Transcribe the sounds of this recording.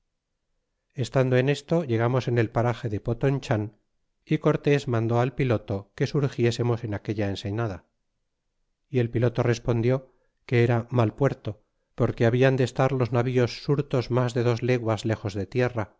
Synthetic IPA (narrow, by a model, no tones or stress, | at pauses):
e̞st̪and̪o̞e̞ne̞st̪o̞ʝe̞ɣ̞amo̞se̞ne̞lpaɾaxe̞ðe̞po̞t̪oɲt͡ʃan | iko̞ɾt̪e̞zmãnd̪o̞alpilo̞t̪o̞ke̞suɾxje̞se̞mo̞se̞nake̞ʎae̞nse̞ɲaða | ie̞lpilo̞t̪o̞re̞spo̞nd̪jo̞ | ke̞eɾamalpwe̞ɾt̪o̞ | po̞ɾke̞aβiand̪est̪aɾlo̞znaβio̞sːuɾt̪o̞zmazðe̞ðo̞zle̞ɣwazle̞xo̞zðe̞t̪jera